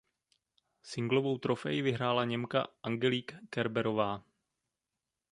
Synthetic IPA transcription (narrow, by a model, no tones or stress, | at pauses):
sɪŋɡlo̞vo̞wt̪ɾo̞fɛjɪvɪɦɾaːlaɲɛmka̰ʔaŋɡɛliːkːɛɾbɛɾo̞vaː